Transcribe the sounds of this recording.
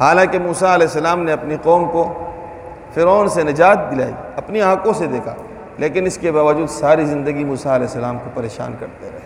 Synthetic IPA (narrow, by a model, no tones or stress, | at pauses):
ɦaːlãːkemuːsaɐlɛːsːɐlaːmneɐpniqɔːmko | fɪɾɔːnsenɐd͡ʒaːt̪̚d̪ɪla̰ːḭːɐpniãːkõsed̪eːkʰa̰ | lʔeːkɪnɪskebaːʋəd͡ʒuːd̪saːɾizɪ̃nd̪əɡimuːsaɐlɛːsːɐlaːmkopɐɾeːʃa̰ːnkɐɾt̪eɾɐɦe